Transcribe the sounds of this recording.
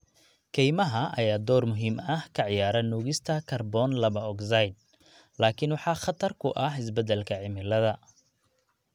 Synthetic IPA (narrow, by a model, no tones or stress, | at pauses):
kʰɛjmɐɦɐʔɐjaːd̪ɔːrmʊɦiːmɐhkʰɐʕɪjaːɾɐnuːɣɪst̪ʰɐkʰɐrbɔːnlɐβɐɔksɐjd̪̚ | laːkʰɪnwɑħɑːχɑt̪ʰɐrkʰʊʔɐhɪsbɛd̪ɛlkʰɐʕɪmɪlɐðɐ